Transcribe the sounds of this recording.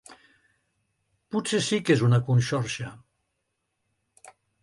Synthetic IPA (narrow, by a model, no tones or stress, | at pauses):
pusesikezunakunʃɔɾʃa